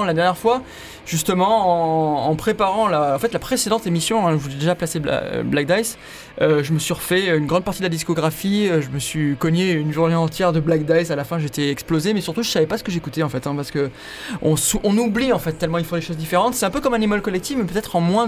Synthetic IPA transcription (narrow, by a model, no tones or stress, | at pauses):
lad̪ɛʁnjɛʁfwa | ʒ̥yst̪əmɑ̃ɑ̃ːpχepaʁɑ̃laɑ̃fɛt̪lapχesed̪ɑ̃t̪emisjɔ̃ɛ̃ʒəvulɛd̪eʒaplaseba̰blak̚d̪ajs | øʒəməsɥiʁəfɛøynɡʁɑ̃d̪paʁt̪id̪əlad̪iskɔɡʁafiøʒəməsɥikɔneynʒuʁneɑ̃t̪jɛʁd̪əblak̚d̪ajsalafɛ̃ʒet̪ɛɛksplozemɛsyʁt̪uʒəsavɛpasə̥kəʒekut̪eɑ̃fɛt̪ɛ̃paʁsə̥kə | ɔ̰̃suʔɔ̃nubliɑ̃fɛt̪ːɛlmɑ̃ilfoleʃozd̪ifeʁɑ̃t̪sɛt̪ɛ̃pøkɔmãnemɔlkɔlɛk̚t̪ifmɛpøt̪ɛt̪χɑ̃mwɛ̃